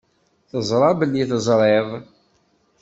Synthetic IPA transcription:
θəzˤɾˤɑbəlːiθəzˤɾˤeðˤ

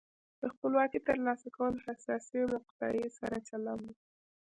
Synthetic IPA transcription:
d̪̥əxpəlwɑkit̪əɾlɑsakawəlohasɑsilaqt̪ɑ̰jesaɾat͡ʃalami

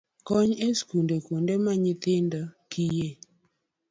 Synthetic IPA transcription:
kɔɲeskundekundemaɲɪt̪ɪndɔkije

